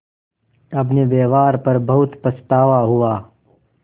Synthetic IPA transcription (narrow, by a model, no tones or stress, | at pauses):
ɐbneʋeːʋaːɾpɐɾbɐɦʊt̪pɐst̪aːʋaɦuaː